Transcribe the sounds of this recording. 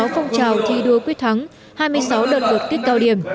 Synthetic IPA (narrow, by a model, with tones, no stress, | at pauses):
a˨˦wfɔ˧wŋ͡mt͡ɕaː˨˩wt̪ʰi˧ɗu˧əkwi˨˦˥ət̚t̪ʰa˨˦ŋ | haː˧jmɨ˧əjsa˨˦wɗə˨˩t̚və˨˩t̚k̪i˦˥k̚kaː˧wɗi˧˩əm